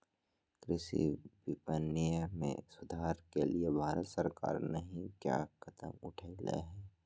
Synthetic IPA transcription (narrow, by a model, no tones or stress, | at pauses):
kɾɪʃḭbɪpənːijəmḛ̃sʊd̪ʱaːɾkeliebʱaːɾət̪səɾka̰ːɾnɐɦĩkja̰ːkʰɐt̪ə̰mʊʈʰailḛɦɛː